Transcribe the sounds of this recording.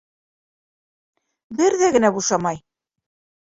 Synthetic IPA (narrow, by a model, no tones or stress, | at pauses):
bɘɾðæɡɘ̆næbuʃɑmɑj